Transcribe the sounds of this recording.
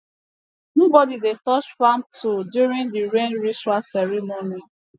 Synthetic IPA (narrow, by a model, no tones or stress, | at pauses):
nobɔdidetɔt͡ʃfãmtodjuɾĩŋdiɾẽnɹisasɛɾimoni